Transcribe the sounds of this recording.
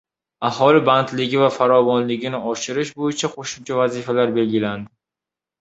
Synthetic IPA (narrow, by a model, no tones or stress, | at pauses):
aɦɒlɪbant̪lɪɡʲɪvafaɾɒvɒnlɪɡʲɪnɪɒʃɪɾɪʃ̬bojɪt͡ʃʰaqʰoʃɪmt͡ʃʰavazifalaɾbe̞lɡʲɪland̪ɪ